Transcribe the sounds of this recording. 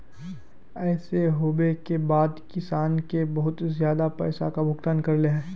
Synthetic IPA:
ɛːseɦoːbekebaːd̪kɪsaːnkebɐɦʊt̪zjaːd̪apɛ̰ːsakabʱʊkt̪aːnkɐɾleɦɛː

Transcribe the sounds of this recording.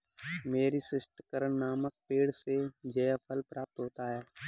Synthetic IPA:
meːɾisɪsʈəkəɾəɳːaːmək̚peːɽsed͡ʒeːjəpʰəlpɾaːp̚t̪ɦoːt̪aɦɛː

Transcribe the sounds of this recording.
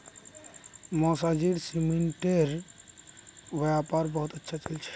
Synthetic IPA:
mɔsad͡ʒiɽsimiɳʈeɾ | ʋjapaɾbəɦut̪ətːʃʰat͡ʃalt͡ʃʰɛ̥

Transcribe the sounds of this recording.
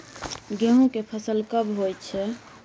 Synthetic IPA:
ɡeɦũkepʰəsəlkəbɦojt͡ʃʰɛ

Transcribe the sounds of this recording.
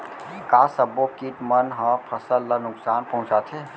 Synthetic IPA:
kaːsɐbokiʈmɐnɦə̃pʰɐsəlːanʊksaːnpɐɦʊ̃t͡ʃat̪ʰeː

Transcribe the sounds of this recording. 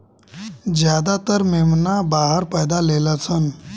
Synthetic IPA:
d͡ʒjad̪at̪əɾmemnabaɦəɾpəjd̪alelət͡sʰən

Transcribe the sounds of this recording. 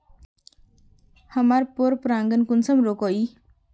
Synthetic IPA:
həmaɾpoɾpɾaːŋɡənkunsəmɾokoi

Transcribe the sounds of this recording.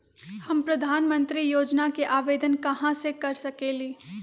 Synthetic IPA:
hɐmpɾɐd̪ʱaːnmə̃nt̪ɾijoːd͡ʒnakeʔaːʋeːd̪ənkɐɦãsekɐɾsɐkeːliː

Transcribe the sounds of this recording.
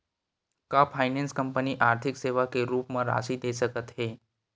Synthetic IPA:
kapʰajnenskəmpəniːʔaɾt̪ʰikseʋakeɾuːpməɾa̰siːd̪ʱesəkət̪ɦe

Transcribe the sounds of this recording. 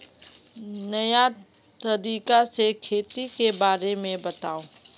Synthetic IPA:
nɐja | t̪ɐɾiːkasekʰeːt̪ikebaːɾemẽbɐt̪aːoː

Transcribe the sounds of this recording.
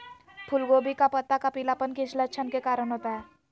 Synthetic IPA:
pʰʊlɡoːbikapɐt̪ːakapilapənkɪ̃t͡ʃʰlətt͡ʃʰənkekaːɾənɦoːt̪aɦɛː

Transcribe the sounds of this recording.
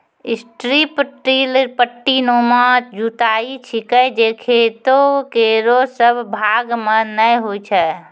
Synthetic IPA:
isʈɾipʈɾilɾpəʈːinomɔt̪̚d͡ʒut̪aːit͡ʃʰikəjd͡ʒekʰeːt̪okeɾosəbʱbʱaɡmə̃nəɦoit͡ʃʰɛ

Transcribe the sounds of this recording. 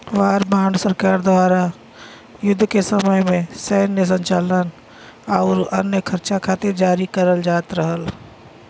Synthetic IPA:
ʋaːɾbaːɳsəɾkaːɾd̪ʋaːɾa | jʊd̪ʱːkesəməjmẽsɛːnːes̬ə̃ɲt͡ʃaːlən | aʊɾə̰njəkʰəɾt͡ʃãkʰaːt̪ed͡ʒaːɾikəɾəld͡ʒaːt̪ɾəɦəl

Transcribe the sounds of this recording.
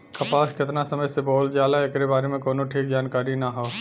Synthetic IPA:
kʰɐpaːʃkɪt̪nasəməjseboːld͡ʒaːlaekɾebaːɾemẽkoːnõʈʰiːk̚d͡ʒaːnkaːɾinaɦoː

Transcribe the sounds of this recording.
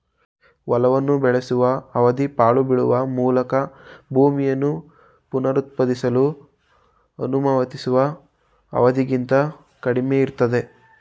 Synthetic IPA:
ʋɐlɐʋɐnːubɛɭesuʋɐɐʋɐd̪ipaːɭubiɽuʋɐmuːlɐkɐbʱuːmijɐnːu | punɐɾut̪̚pɐd̪isɐlu | ɐnumɐʋɐt̪isuʋɐ | ɐ̰ʋɐd̪iɡint̪ɐ | kɐɽimeiɾt̪ɐd̪e̞

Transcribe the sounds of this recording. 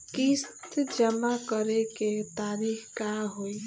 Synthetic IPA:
kist̪d͡ʒəmakəɾeket̪aɾikʰkaɦoi

